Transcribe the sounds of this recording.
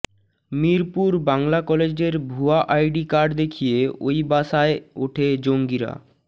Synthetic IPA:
miɾpuɾbaŋlakɔled͡ʑeɾbʱuaʔajɖikaɾɖd̪ekʰijeojbaʃaeoʈʰed͡ʑoŋɡiɾa̰

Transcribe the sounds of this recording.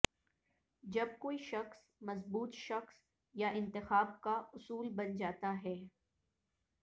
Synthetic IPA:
d͡ʒɐb̚koːiʃɐxs | mɐzbuːt̪ʃɐxs | jaʔɪ̃nt̪ɪxaːb̚kaʊsuːlbɐnd͡ʒaːt̪aɦɛː

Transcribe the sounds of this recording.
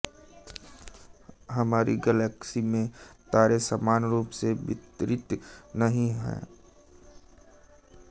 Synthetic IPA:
ɦəmaːɾiɡəlɛːksimẽt̪aːɾesəmaːnɾuːpsebɪt̪ɾɪt̪nəɦĩɦɛ̰ː

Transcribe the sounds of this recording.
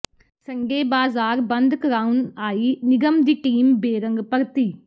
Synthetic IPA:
sɐŋɡeːbaːzaːɾbɐnd̪kɾawnaːjinɪɡɐmd̪iʈiːmbeːɾɐŋɡpɐɾt̪ːi

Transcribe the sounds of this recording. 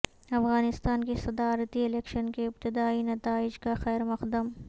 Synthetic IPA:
ɐfɣaːnɪst̪aːnkesɐd̪aːɾət̪iɪlɛːkʃənkeɪb̚t̪ɪd̪aːinɐt̪aːɪd͡ʒkaxɛːɾmɐxd̪əm

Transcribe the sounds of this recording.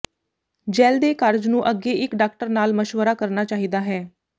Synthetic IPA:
d͡ʒɛːld̪eːkəɾd͡ʒnũːʔəɡːeːʔɪkɖaːk̚ʈəɾnaːlməʃʋəɾaːkəɾnaːt͡ʃaːɦiːd̪aːɦɛː

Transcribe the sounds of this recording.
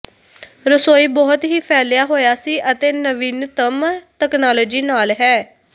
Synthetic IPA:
ɾəsoːiːbɔːʊt̪ɦiːpʰɛːljaːɦoːjaːsiːʔət̪eːnəʋiːnt̪əmt̪ɛːknaːloːd͡ʒiːnaːlɦɛː

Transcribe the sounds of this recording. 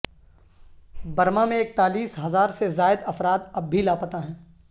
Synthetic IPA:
bɐɾmamẽeːk̚t̪aːliːsɦɐzaːɾsezaːɪd̪ɐfɾaːt̪ɐbːʱilaːpət̪aɦɛ̃ː

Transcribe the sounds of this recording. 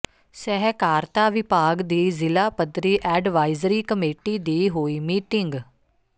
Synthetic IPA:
sɛɦɛkaːɾt̪aːʋɪpaːɡd̪iːzɪlaːpəd̪ɾiːʔɛːɖʋaːɪzɾiːkəmeːʈiːd̪iːɦoːiːmiːʈɪŋɡ

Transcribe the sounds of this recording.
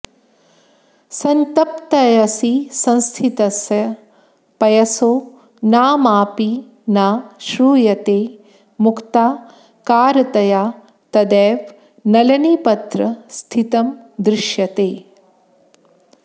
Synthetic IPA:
sɐnt̪ɐpt̪ɐjɐsisɐ̃nst̪ʰit̪ɐsjɐ | pɐjɐsoː | naːmaːpi | naːʃɾuːjɐt̪eː | mukt̪aː | kaːɾɐt̪ɐjaː | t̪ɐd̪ɛːʋ | nɐlɐnipɐt̪ɾɐst̪ʰit̪ɐmd̪ɾɪʃjɐt̪eː

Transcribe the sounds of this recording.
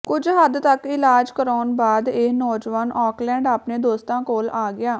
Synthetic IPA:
kʊd͡ʒɦəd̪t̪əkɪlaːd͡ʒkəɾaːnbaːd̪eːnɔːd͡ʒʋaːnɔːklɛ̃ːɳɖaːpnẽːd̪oːst̪ãːkoːlaːɡɪjaː

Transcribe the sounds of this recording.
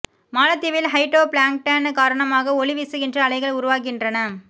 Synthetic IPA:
maːlɐt̪ːɪʋɪlɦɐɪʈɾoːpɭaːŋk̚ʈːɐnkaːɾɐɳɐmaːɣɐɔɭɪʋɪsɯɣɪndrɐːɭɐɪɣɐɭʊɾʊʋaːk̬ɪndrɐnɐ

